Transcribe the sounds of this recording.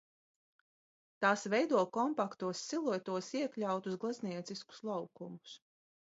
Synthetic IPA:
t̪aːsvɛjd̪uɔkɔmpakt̪uɔsːilˠut̪uɔsiɛklʲawt̪uzɡlˠazniɛt̪sisku̥slˠawkumus

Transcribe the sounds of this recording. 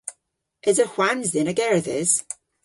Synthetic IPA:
ʔɪzəhwanzðɪnəɡɛɹðɪz̥

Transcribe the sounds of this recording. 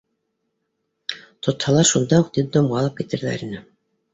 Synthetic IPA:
t̪ʰŏt̪hɑlˠɑɾʃund̪ɑuqt̪id̪omʁɑlˠɤp̚kit̪ɘ̆ɾðæ̰ɾinɘ

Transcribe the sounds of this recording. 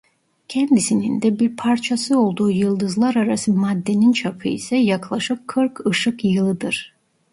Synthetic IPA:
cʰɛnd̪isinind̪ɛbiɾpʰaɾt͡ʃʰasɯo̞lˠd̪uːjɯlˠd̪ɯzlˠaɾaɾasɯmad̪ːe̞nint͡ʃʰapʰɯḭsɛjaklˠaʃɯkʰːɯɾkʰɯʃɯkjɯlˠɯd̪ɯɾ̥

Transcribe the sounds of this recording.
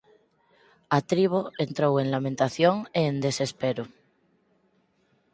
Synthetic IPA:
at̪ɾiβ̞oent̪ɾowe̞nlamẽnt̪aθjoŋeːnd̪e̞se̞speɾu

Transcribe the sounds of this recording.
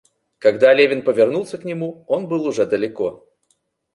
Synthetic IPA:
kɐɡd̪alʲevʲɪnpəvʲɪrnulˠsʲəknʲɪmuo̞nbɨlˠʊʐɛd̪əlʲɪko

